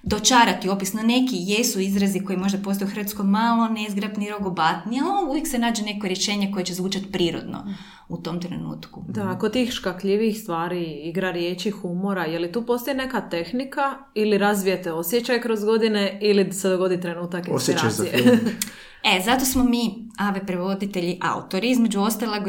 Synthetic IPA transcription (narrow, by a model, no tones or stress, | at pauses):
d̪ot͡ʃaːɾat̪io̞pisnone̞kijesuizɾaziko̞jimo̞ʒd̪apo̞st̪ojuxɾʋat̪skojmalˠonezɡɾapniɾoɡobat̪nialouʋjeksenaːd͡ʒene̞koɾjeʃeːɲeko̞jet͡ɕezʋuːt͡ʃat̪pɾiːɾo̰d̪no̰ | ut̪o̞mt̪ɾḛnṵːt̪kud̪aːkot̪iːxʃkakʎiʋiːxst̪ʋaːɾiiɡɾaɾjeːt͡ɕixumo̞ɾajelit̪uːpo̞st̪ojne̞kat̪e̞xnika | iliɾazʋijet̪eo̞sjet͡ɕajkɾo̞zɡo̞d̪ineilised̪oɡo̞d̪it̪ɾenuːt̪akinɾasie | ezat̪o̞smomiːaʋepɾeʋo̞d̪it̪eʎiʔa̰ṵt̪o̞ɾiizmed͡ʑuo̞st̪aleɡ